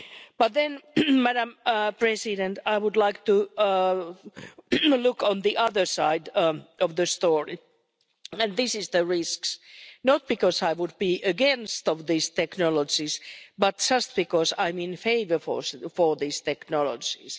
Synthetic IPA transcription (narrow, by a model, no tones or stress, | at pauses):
b̥ʌt̪̚ðɛ̃nmæɾə̃mpʰɹ̥ɛsɪɾɛ̃nt̪ʰaɪwʊdlaɪk̚t̪u | lʊkɔ̃nðiʔʌðə˞saɪdɔvðɨst̪ɔɹi | ɨ̃nðɪsɪzðəɹɪsksnət̪̚b̥ɨkɔsaɪwʊd̚biʔɨɡɛ̃nst̪ɔvðist̪ʰɛknɔləd͡ʒizbʌt̚d͡ʒ̥ʌst̪̚b̥ɨkɔsãɪ̃mɪ̃nfeɪvə˞fɔ̰fɔ˞ðist̪ʰɛknɔlə̰d͡ʒis